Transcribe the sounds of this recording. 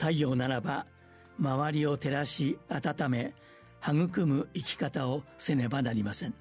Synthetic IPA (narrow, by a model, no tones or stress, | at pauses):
t̪aioːnaɾaba | maβaɾʲio̞t̪e̞ɾaɕiat̪at̪ame̞ | haŋɯ̟kɯ̟mɯ̟ikʲi̥kat̪ao̞se̞ne̞banaɾʲimasẽ̞ŋ